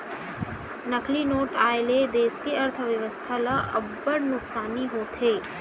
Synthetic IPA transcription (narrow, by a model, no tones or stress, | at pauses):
nəklinoːʈaːeled̪eːskeɐɾt̪ʰəʋjəʋəst̪ʰalɐʔɐbːəɽnʊksaːniɦoːt̪ɦeː